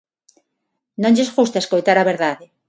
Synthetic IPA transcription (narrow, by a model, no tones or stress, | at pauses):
nõŋʎezɣust̪aeskojt̪aɾaβeɾðaðe